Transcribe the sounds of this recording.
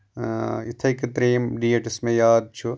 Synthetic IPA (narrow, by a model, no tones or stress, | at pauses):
it̪ʰɐkt̪ɾeːmɖiːeʈismẽjaːd̪̚t͡ʃʰu